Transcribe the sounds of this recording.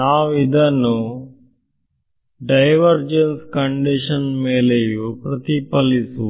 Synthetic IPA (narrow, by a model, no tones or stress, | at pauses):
aːʋid̪ʱɐnu | ɖɐjʋɐɾd͡ʒenskɐɳɖiʂɐnmeːlejupɾɐt̪ipɐlisu